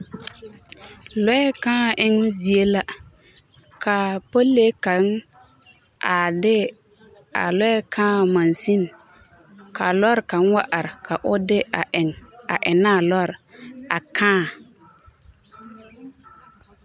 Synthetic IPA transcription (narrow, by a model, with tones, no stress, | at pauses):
lɔ˦ɛ˦kãː˦˨ʔɪ˦ŋʊ˦zi˨e˦la˦ | kʰa˨po˦lːe˦ka˨˦ŋ | a˨dɪ˦ | a̰˨lɔ˦ɛ˦kʰãː˦˨ma˨nsi˦n | kʰa˨lɔ˦ɾka˨˦nwa˦ʔa˨ɾɪ˨kʰa˨ʔʊ˦dɪ˦˨ɪ˨ŋa˨ʔɪ˨naː˦˨lɔ˦ɾa˨kʰãː˦